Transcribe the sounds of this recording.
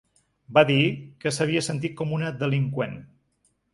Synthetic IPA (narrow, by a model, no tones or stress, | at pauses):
baðikəsəβiəsənt̪̬it̪̚kɔmunəd̪əliŋkwen